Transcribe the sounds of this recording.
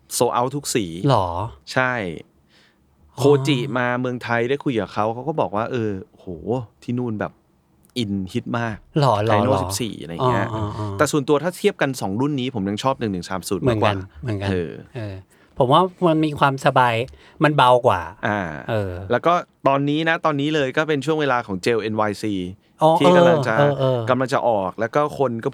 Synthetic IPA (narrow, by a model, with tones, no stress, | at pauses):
soː˧ʔa˦˥wt̪ʰu˦˥k̚siː˩˦lɔː˩˦t͡ɕʰa˥˩j | kʰoː˧t͡ɕi˨˩maː˧mɯ˧əŋt̪ʰa˧jda˥˩jkʰu˧jkaː˨˩kʰa˦˥wkʰa˦˥wkɔː˥˩bɔː˨˩k̚waː˥˩ʔɤː˧o˧˨hoː˩˦t̪ʰiː˥˩nuː˥˩nbɛː˨˩p̚ | ʔi˧nhʰi˦˥t̪̚maː˥˩k̚lɔː˩˦la˧˦˩no˥˩si˩˨˦psḭː˨˩˨la˧ja˧˦˥ʔt̪ɛː˨˩su˨˩nt̪u˧ɐt̪ʰaː˥˩t̪ʰi˥˩əp̚ka˧nsɔː˩˦ŋɾu˥˩nːiː˦˥pʰo˩˦mja˧ŋt͡ɕʰɔː˥˩p̚nɯ˨˩ŋnɯ˨˩ŋsaː˩˦msuː˨˦tmɯː˨˥˦kkwa˧˨n˩mɯ˩˦nka˧ɤː˧ʔɤː˧ | pʰo˩˦mwaː˥˩ma˧nmiː˧kʰwaː˧msa˧baː˧j | ma˧nba˧wkwa̰ː˨˩ʔaː˨˧˩ʔɤː˧lɛ˦˥wkɔː˥˩t̪ɔː˧nːiː˦˥na˦˥t̪ɔː˧nːiː˦˥lɤː˧jkɔː˥˩pe˧nt͡ɕʰu˥˩əŋweː˧laː˧kʰɔː˩˦ŋt͡ɕeː˧wʔe˧nwaː˧jsiː˨˧ | ʔɔː˧iː˥˩kːa˧mla˧t͡ɕa˨˩ʔːʔɤː˧ka˧mla˧ŋt͡ɕa̰˨˩ʔɔː˨˩k̚lɛː˦˥wkɔː˥˩kʰo˧nkɔː˥˩p